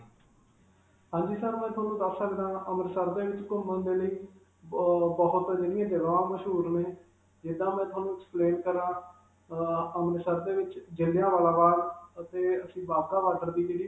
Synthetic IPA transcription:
ɦãːɲd͡ʒiːsəɾmɛ̃ːt̪ʰʊaːnũːd̪əsəkd̪ãːʔəməɾsəɾd̪eːʋɪt͡ʃkʊmbənd̪eːləiː | bəɦʊt̪əd͡ʒɪɽɪjãːd̪ɪʋaãːməʃɦuːɾnẽː | d͡ʒɪd̪ãːmɛ̃ːt̪ʰʊaːnũːɛkspleːnkəɾãː | əmɾsəɾd̪eːʋɪt͡ʃd͡ʒɪlːjãːʋaːlaːbaːlət̪eːəsĩːbaːbt̪aːʋaːʈəɾd̪iːd͡ʒeːɽiː

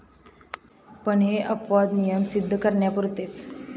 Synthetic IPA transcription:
pəɳɦeʔəpʋad̪nijəmsid̪ʱːəkəɾɳjapuɾt̪et͡s

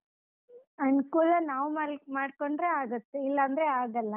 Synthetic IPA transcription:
ɐnkuːlɐnaːʋumaːmaːɖkoɳɖɾeaːɡɐt̪ːeilːɐːnd̪ɐɾeaːɡɐlːɐ

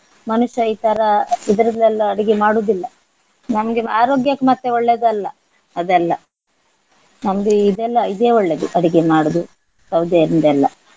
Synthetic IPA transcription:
mɐnuʃɐiːt̪ɐɾɐid̪ɐɾɐd̪ɛlːɐɐɽiɡemaːɽuːd̪ilːɐ | nɐmɐɡeaːɾo̞ːɡjakːmɐt̪ːeɔɭːed̪ɐlːɐ | ɐd̪ɛlːɐ | nɐmɐɡeid̪ɛlːɐid̪eːɔɭːed̪uʔɐɽiɡemaːɽud̪u | sɐwd̪ʱjɐɾind̪ɛlːɐ

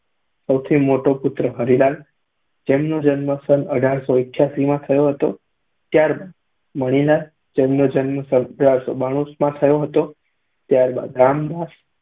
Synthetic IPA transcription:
səwt̪ʰimoʈopʊt̪ɾəɦəɾilal | d͡ʒemnod͡ʒənməsənəɖʱaɾsoɪkʰjasimãt̪ʰəjoɦət̪o̰ | t̪jaɾbad̪ | məɽ̃ilal | d͡ʒemnod͡ʒənməsənəɖʱaɾso̰baɽ̃ũsmãt̪ʰəjoɦət̪o | t̪jaɾba̰d̪ɾamd̪as

